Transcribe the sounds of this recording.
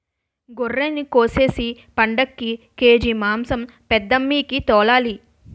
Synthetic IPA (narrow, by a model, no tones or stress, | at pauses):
ɡorːeːnikoːse̞ːsi | pɐɳɖɐkːi | ke̞ːd͡ʒimaːmsɐm | pɛd̪ːɐmːiːkit̪ɔːlaːli